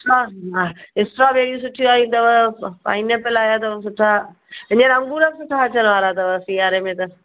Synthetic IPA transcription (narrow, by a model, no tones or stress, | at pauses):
ʈaaɪsʈɾabeːɽijũs̬ʊʈʰːijũaːɦĩt̪ɐʋəpa̰ːĩnepɪlaːjat̪̬ɐʋsʊʈʰa | ɪ̃ɲənɐ̃ŋɡuːɾəksʊʈʰːaɐt͡ɕənʋaːɾat̪ɐʋəsiːaːɾemẽt̪ɐ